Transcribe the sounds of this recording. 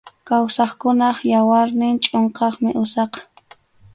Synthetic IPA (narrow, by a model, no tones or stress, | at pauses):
kawsɑχkʊnɑχjawaɾnɪŋt͡ʃʼoɴqɑχmɪʔʊsɑq